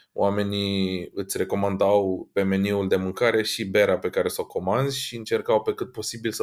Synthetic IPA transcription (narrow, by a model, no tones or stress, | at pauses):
o̰wame̞niɨt̪sʲre̞ko̞mand̪awpe̞me̞niuld̪e̞mɨŋkaɾe̞ʃibe̞ɾape̞kaɾe̞soko̞mand̪zʲʃiɨnt͡ʃe̞rkawpe̞kɨt̪̚po̞sibilsə